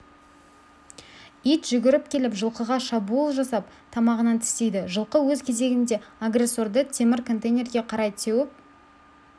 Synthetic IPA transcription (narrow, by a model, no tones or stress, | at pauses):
ijt̪ʒ̥ʏɡʲɪɾɪp̚kʲʰe̞lɪpʒəlˠqəʁɑʃɑbuulˠʒɑsɑp̚ | t̪ʰɑmɑʁənɑnt̪ʰɪ̥st̪e̞jd̪ɪʒəlˠqəwɵzkʲʰe̞ze̞ɡʲɪnd̪e̞aɡre̞sːo̞ɾd̪ət̪ʰe̞mɪɾkʰo̞nt̪ejnʲe̞ɾɡʲe̞qʰɑɾɑjt̪ʰewɪp̚